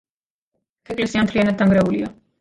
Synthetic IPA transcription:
pʰɛkʼlɛsiamt̪ʰlijanad̪d̪ːaŋɡɾaulia

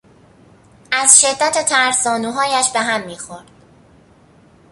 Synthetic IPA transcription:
æzʃe̞d̪ːæt̪ʰet̪ʰæɾsɒːnuɦɒːjæʃbe̞ɦæmːiːxo̞ɾd̪̥

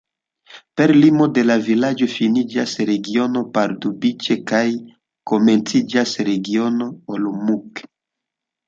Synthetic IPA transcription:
pe̞ɾlimo̞de̞lavilad͡ʒofinid͡ʒasɾe̞ɡio̞no̞paɾdubit͡ʃekaj | kome̞nt͡sid͡ʒasɾe̞ɡio̞no̞olomuk

